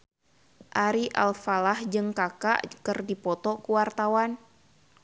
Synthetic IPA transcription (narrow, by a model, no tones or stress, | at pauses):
ʔaɾiʔa̰lfalahd͡ʒɨŋkaka̰ʔkɨrdipɔt̪ɔkuwart̪awan